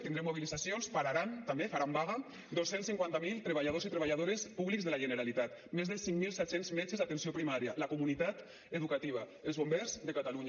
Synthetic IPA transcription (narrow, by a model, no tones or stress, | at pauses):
t̪ind̪ɾemːuβ̞ilizasjonspaɾaɾant̪ambefaɾambaɣa | d̪osensiŋkwant̪amilˠt̪ɾeβaʎað̞ozit̪ɾeβaʎaðoɾespuβlikzðəlaʒeneɾalit̪at̪mezðəlˠsiŋmilˠsɛt̪senzmɛt͡ʃezðat̪ensiopɾimaɾjalakumunit̪at̪ | eðukat̪iβ̞aelzβombɛɾzðekat̪aluɲa